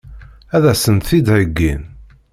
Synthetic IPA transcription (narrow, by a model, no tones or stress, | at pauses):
æðæsənt̪θid̪ʕəɡːin